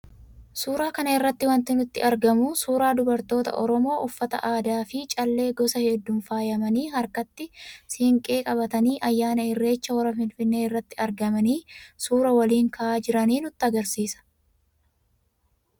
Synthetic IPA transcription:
suːɾaːkɐnɐɪrːɐt̪ːɪwɐnt̪ːɪnʊt̪ːɪ̰ʔɐɾɡɐmusuːɾaːd̪ʊbɐɾt̪o̞ːt̪ɐ̰ʔɔɾɔmo̞ːʔʊfːɐt̪ɐ̰ʔaːd̪aːfɪt͡ʃʼɐlːe̞ːɡɔsɐhɛd̪ːʊːnfaːjɐmɐniːhɐɾkɐt̪ːɪsɪɪŋkʼe̞ːkʼɐbɐt̪ɐniːʔɐjːaːnɐɪrːe̞ːt͡ʃːɐwɐɾɐfɪlfɪnːe̞ːɪrːɐt̪ːɪɐɾɡɐmɐniːsuːɾɐwɐliːŋkɐʔaːd͡ʒɪɾɐniːnʊt̪ːɪɐɡɐɾsiːsɐ̥

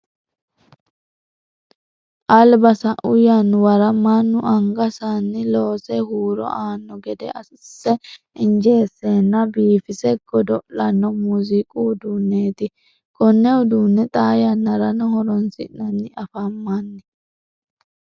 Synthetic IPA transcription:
ʔɐlbɐsɐʔʊjanwɐɾɐmɐnːʊʔɐŋɡɐsanːɪlo̞ːsɛhuːɾɔ̰ʔaːnːɔɡɛd̪ɛ̰ʔɐ | sːɛ | ɪnd͡ʒeːsːeːnːɐbiːfɪsɛɡ̥ɔd̪ɔlɐnːɔmuzɪkʼuːd̪unːeːt̪ɪ | kʼɔnːɛʊd̪uːnːɛt̪ʼaːjɐnːɐɾɐnɔhɔɾɔnsɪnːɐnːɪʔɐfɐmːanːɪ

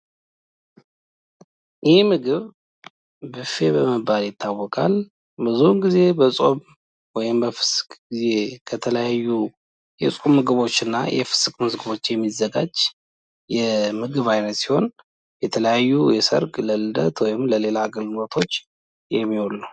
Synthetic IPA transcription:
jʔɛhmɨɡɨβ | bɨfe̞bəməbaljɪt̪ʰːawːɔkʼal | bɨzunɡize̞bəsʼo̞β | wɔjɪmbəfɨ̥skɡize̞kʰət̪ʰələjajːu | jɛsʼkʼumːɨɡɨβo̞t͡ʃːɨnːa̰jʔɛ̰fɨ̥skʼmɨzɡɨβo̞t͡ʃːjɛmːizːəɡad͡ʒ | jɛmɨɡɨβajnət̪si̥ho̞n | jɛt̪ʰələjajːujɛsə̰ɾɡʼləlɨd̪ə̰t̪wɔjɪmləle̞laɡɨlnot̪ʰo̞t͡ʃː | jɛmːiholːu

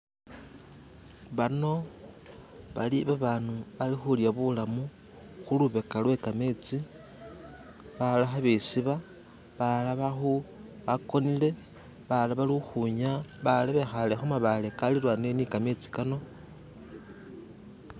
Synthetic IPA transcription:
βano̞ | βa̰liβaβaːnualixuljaβulamu | xuluβe̞kalwe̞kame̞t͡si | βalaxaβesiβa | βalaβaxuβako̞nile̞ | βalaβalixuɲaβalaβexalexomaβale̞kalilwane̞nikame̞t͡si̥kano̞

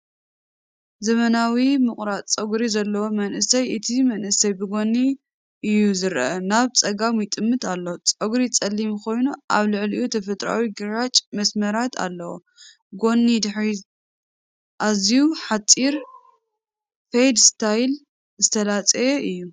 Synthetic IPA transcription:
zɐmɐnawimɨkʼɾat͡sʼɐɡɾizɐlːɐwomɐnʔɨsɐjʔɨt̪ʰimɐnʔɨsɐjbɨɡo̞nːi | ʔɨjːuzɨɾʔɐnaβt͡sʼɐɡamjɪt̪ʼɨmːɨt̪ʰalːot͡sʼoɡɾit͡sʼɐlːimkʰo̞jnuʔaβlɨʕliʔut̪ʰɐfɐt̪ʼɾa̰wiɡɨɾat͡ʃʼmɐsmɐɾat̪ʰa̰lːɐwo̰ | ɡo̞nːid̪ɨħɾi | ʔazijuħat͡sʼiɾ | fejd̪st̪ʰajl | zɨt̪ʰɐlat͡sʼɐjeʔɨjːu

